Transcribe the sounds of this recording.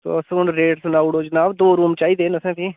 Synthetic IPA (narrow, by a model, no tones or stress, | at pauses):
t̪o̰ːsʊnɾeːʈsʊnaːʊɽoːd͡ʒənaːʋd̪oːɾuːmt͡ʃaːiːd̪eːnəsɛ̃ːt̪ʰĩː